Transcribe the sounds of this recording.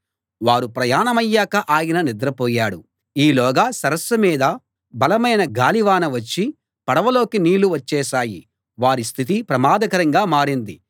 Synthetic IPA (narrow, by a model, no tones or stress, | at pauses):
ʋaːɾupɾɐjaːnɐmɐjːaːkɐʔaːjɐnɐnid̪ɾɐpɔːjaːɽu | iːlɔːɡɐsɐɾɐsːɐmiːd̪ɐ | bɐlɐmɐjnɐɡaːliʋaːnɐʋɐt͡ʃːi | pɐɽɐʋɐlo̞ːkiniːluʋɐt͡ʃːɛːsaːji | ʋaːɾist̪ʰit̪ipɾɐmaːd̪ɐkɐɾɐŋɡaːmaːɽind̪i